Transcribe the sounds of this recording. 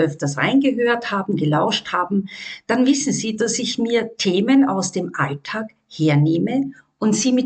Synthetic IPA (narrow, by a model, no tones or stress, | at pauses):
ʔœftɐsʁa̰ɪnɡəɦøːɐthaːbm̩ɡəlaʊʃthaːbm̩d̥anvɪsn̩ziːdasɪçmiːɐtʰeːməna̰ʊsd̥eːmʔaltʰaːk | heːɐneːmə | ʔʊntz̥iːmɪt